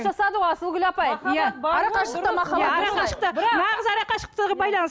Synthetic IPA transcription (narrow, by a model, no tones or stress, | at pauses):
ʒɑsɑd̪əʁoɑsəlˠɡʲʏlɑpɑjjaɑɾɑɑʃət̪mɑχɑjaɑɾɑqɑʃə̥qt̪ənɑʁəzɑɾɑqɑʃə̥q̚t̪əʁɑbɑjlˠɑnəs